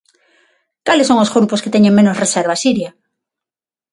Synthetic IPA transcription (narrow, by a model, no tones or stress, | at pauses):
kalesoŋozɣɾuposket̪eɲẽŋmẽnosreseɾβasiɾja